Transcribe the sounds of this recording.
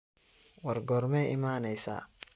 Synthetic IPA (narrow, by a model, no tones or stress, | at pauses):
wɑrɡɔːrmɛːɪmaːnɛjsa̰ː